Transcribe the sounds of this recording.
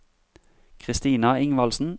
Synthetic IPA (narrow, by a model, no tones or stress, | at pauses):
kʰʁɪst̪iːnɑɪŋʋɑlsn̩